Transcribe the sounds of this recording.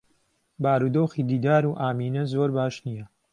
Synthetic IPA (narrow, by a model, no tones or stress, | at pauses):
baːɾud̪oːxiːd̪iːd̪aːɾuːʔaːmiːnɐzoːɾbaːʃnijɐ